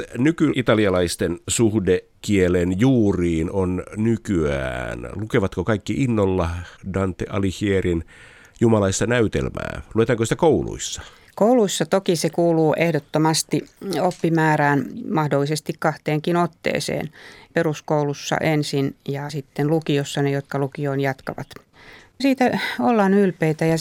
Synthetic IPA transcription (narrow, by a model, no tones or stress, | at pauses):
nykyʔit̪ɑliɑlɑist̪ensuhde | kielenjuːriːnonnykyæ̰ːnlukeʋɑt̪kokɑikːiʔinːolːɑdɑnt̪ːeʔɑlihierin | jumɑlɑist̪ɑnæyt̪ḛlmæ̰ːluet̪ɑːŋkosit̪ækoulṵisːɑ̥ | kouluisːɑt̪okisekuːluːʔehdot̪ːomɑst̪iopːimæːræːnmɑhdolːisest̪ikkɑht̪eːŋkinot̪ːḛːsḛːnperuskoulusːɑ̰ʔensinjɑsit̪ːenlukiosːɑnejot̪kɑlukioinjɑt̪kɑ̰ʋɑ̰t̪ | siːt̪æolːɑnylpeit̪æjɑ